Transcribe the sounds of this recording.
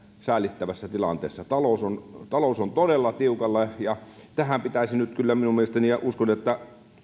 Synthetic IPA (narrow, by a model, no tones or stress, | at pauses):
sæˑilit̪ːæʋæsːæt̪ilɑ̰nt̪ḛːsːɑt̪ɑlosont̪ɑlosont̪odelːɑt̪iukɑlːɑjɑt̪æhæmpit̪æisinyt̪kylːæminumeest̪æniɑʔuskonet̪ːæ